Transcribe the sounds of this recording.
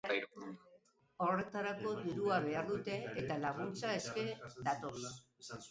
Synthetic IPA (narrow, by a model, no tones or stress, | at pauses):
o̞re̞t̪aɾako̞diɾuaβ̞e̞aɾðut̪e̞ːt̪alaɣ̞unt͡sae̞ske̞d̪at̪o̞s